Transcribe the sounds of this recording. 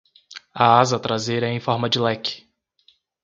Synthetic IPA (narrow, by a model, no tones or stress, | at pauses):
ɐazɐt̪ɾazejɾɐẽj̃fɔɾmɐd͡ʒɪlɛkɪ̥